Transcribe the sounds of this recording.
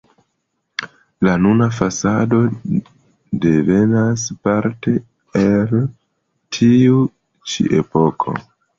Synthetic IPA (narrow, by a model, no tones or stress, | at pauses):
lanunafasado̞ | de̞ve̞naspaɾte̞ | el | tʰiu | t͡ʃḭʔepo̞kʰo̞̰